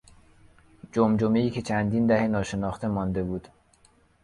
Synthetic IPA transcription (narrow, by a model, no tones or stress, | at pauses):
d͡ʒomd͡ʒomeiːcʰʲe̞t͡ʃʰænd̪iːnd̪æhenɒːʃe̞nɒːxt̪e̞mɒːnd̪e̞buːd̪̥